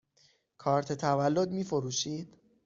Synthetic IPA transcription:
kʰɒːɾt̪ʰet̪ʰævælːod̪miːfoɾuːʃiːd̪̥

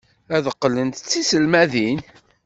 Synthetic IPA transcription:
æðəqːlənt̪t͡sːisəlmæðin

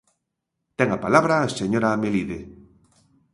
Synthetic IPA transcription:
t̪eŋapalaβɾaseɲoɾameliðe

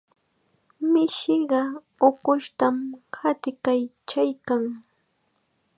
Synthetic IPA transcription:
mɪʃɪɢɑ | oqʊʃt̪amhat̪ɪkajt͡ʃajkaŋ

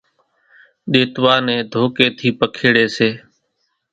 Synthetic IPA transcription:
ɗeːt̪ʋaːnẽːd̪ʱoːkeːt̪ʰiːpəkʰeːɽeːseː

